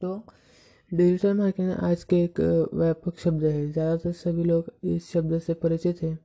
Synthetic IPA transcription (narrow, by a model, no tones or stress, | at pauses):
t̪o | ɖelʈəɾmaɾkenʔa̰d͡zkeekʋjapəkʃəb̚d̪əɦed͡zjad̪at̪əɾsəbʱiːlokesʃəb̚d̪əəsepəɾit͡ɕit̪ɦe